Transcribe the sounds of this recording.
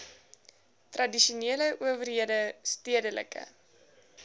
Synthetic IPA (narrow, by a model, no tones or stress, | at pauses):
trɐdiʃuneələʔuəvərɦiədəstiədələ̰kə̰